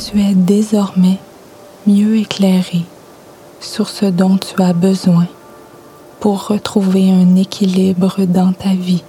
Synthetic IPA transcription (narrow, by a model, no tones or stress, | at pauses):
t̪yɛd̪ezɔʁmɛ | mjøeklɛʁe | syʁsəd̪ɔ̃t̪yabəzwɛ̃ | puʁːət̪χuveɛ̃nekʲʰilibʁəd̪ɑ̃t̪avi